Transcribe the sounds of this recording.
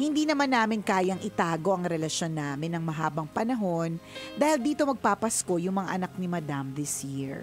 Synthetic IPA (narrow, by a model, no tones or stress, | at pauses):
hɪnd̪iːnɐmanːaːmɪnkaːjɐŋʔɪt̪aːɡo̞ʔɐŋɾɛlɐʃjo̞nːaːmɪnːɐŋmɐɦaːbɐŋpɐnɐɦo̞nd̪aːhɪld̪iːt̪o̞mɐɡ̚paːpɐsko̞jʊŋmɐŋa̰ʔɐnak̚nɪmɐd̪amðɪsjiɹ